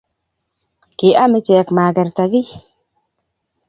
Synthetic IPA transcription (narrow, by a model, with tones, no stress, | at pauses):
kɪ˨ʔa˦mɪ˦t͡ʃɛː˨kma˨ɡɛ˨ɾta˨ɡi˦